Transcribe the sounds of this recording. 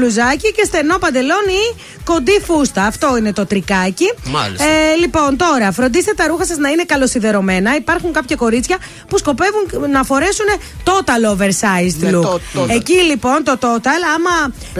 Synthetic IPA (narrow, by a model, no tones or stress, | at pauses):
luzɐcice̞st̪e̞no̞pɐnd̪e̞lo̞ni | ko̞nd̪ifust̪ɐːft̪o̞ine̞t̪o̞t̪ɾikɐci | lipo̞nt̪o̞ɾɐfɾo̞nd̪ist̪et̪ɐɾuxɐsɐznɐine̞kɐlo̞siðe̞ɾo̞me̞nɐipɐɾxuŋkɐpçɐko̞ɾit͡sçɐ | pusko̞pe̞vuŋnɐfo̞ɾe̞sune̞ | t̪o̞t̪ɐlove̞ɾsɐist̪lue̞cilipo̞nt̪o̞t̪o̞t̪ɐlɐmɐ